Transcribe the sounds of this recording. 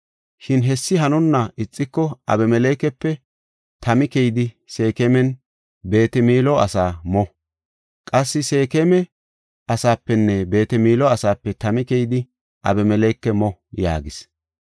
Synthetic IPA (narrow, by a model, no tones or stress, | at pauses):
ʃɪnɦɛsːɪɦɐnʊnːɐɪt͡sʼːɪkːɔɐ̰bɛmɛlekːɛpːɛ | t̪ʰɐmɪkɛjd̪ɪ | se̞ːkɛmɛn | be̞ːt̪ɛmiːlɔɐsaːmɔ | kʼɐsːɪse̞ːkemɛ | ɐsaːpːɛnːɛbe̞ːt̪ɛmiːlɔɐsaːpːɛt̪ɐmɪkɛjd̪ɪ | ʔɐ̰bɛmɛlɛkːɛmɔja̰ːɡɪs